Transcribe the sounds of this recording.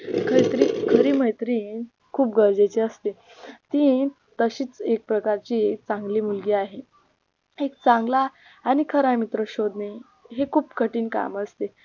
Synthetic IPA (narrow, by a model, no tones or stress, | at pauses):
kʰəɾit̪əɾikʰəɾiːm̤əjt̪ɾiː | kʰuːp̚ɡəɾd͡zet͡ɕeəst̪e | t̪ĩ | t̪əɕiːt͡sek̚pɾəkaɾt͡ɕiːek̚t͡sãŋɡliːmulɡiaɦe | ek̚t͡sãŋɡlaː | nikʰəɾamit̪ɾəɕod̪ne | ɦekʰuːpkəʈiːnka̰məst̪e